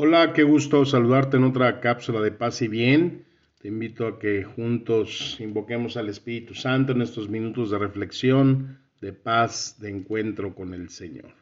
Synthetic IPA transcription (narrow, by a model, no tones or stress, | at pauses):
o̞lake̞ɣust̪o̞s̬aluðaɾt̪̬eeno̞t̪̬ɾakapsulað̞e̞pasiβje̞n | t̪e̞imbit̪o̞ake̞xunt̪o̞simbo̞ke̞mo̞sale̞spiɾit̪usant̪̬oene̞st̪o̞zmĩnut̪o̞zðe̞re̞fle̞ksjo̞n | d̪e̞pazd̪eːŋkwe̞nt̪ɾo̞ko̞ne̞lse̞ɲo̞̰ɾ